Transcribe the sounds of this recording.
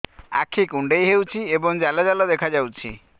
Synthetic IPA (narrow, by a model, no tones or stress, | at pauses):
a̰kʰikuɳɖejɦewt͡ʃʰiebɔŋd͡ʒalɔd͡ʒalɔd̪ekʰad͡ʒawt͡ʃʰḭ